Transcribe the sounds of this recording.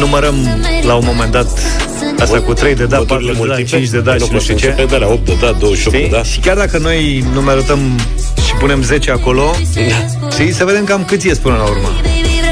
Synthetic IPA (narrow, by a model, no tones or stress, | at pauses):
numəɾəm | launmo̞me̞nd̪at̪ | ast̪akut̪ɾe̞jd̪ed̪apat̪ɾued̪it͡ʃint͡ʃʲd̪ed̪aimoieed̪alaop̚t̪̚d̪ed̪ad̪owəʃop̪ied̪aʃi̥kʲard̪akəno̞j | numajaɾəp̚t̪əm | ʃipune̞mze̞t͡ʃeako̞lo̞ | t̪isəve̞d̪emkamkɨt̪sʲjespunəlaurma